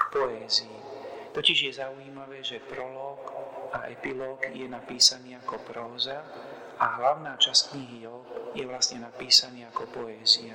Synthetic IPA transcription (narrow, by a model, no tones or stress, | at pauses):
kpɔɛːziːt̪ɔciʒɪjɛzauiːmaʋɛːʒɛpɾɔlɔːkaɛ̰pilɔːɡjɛnapiːsaniːakɔpɾɔːza | ʔaɦlaʊnaːt͡ʃaskɲiɦijɔbjɛʋlasɲɛnapiːsaniːakɔpɔɛːzia